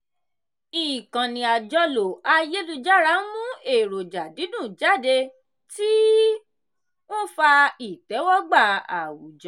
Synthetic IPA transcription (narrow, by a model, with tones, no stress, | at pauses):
i˨kã˨nĩ˨a˨d͡ʒɔ˧lo˨a˧je˦lu˧d͡ʒa˦˨ɾa˦mũ˦e˨ɾo˨d͡ʒa˨di˨˦dũ˦˨d͡ʒa˦˨de˧ | ti˦ | mũ˦fa˧i˨tɛ˨˦wɔ˦ɡ͡ba˦˨a̰˨wu˨d͡ʒɔ˨˦